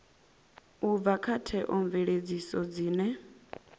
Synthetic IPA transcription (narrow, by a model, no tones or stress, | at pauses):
ub̪vakʰatʰɛʔɔɱvɛɺed͡zisɔd͡ziːnɛ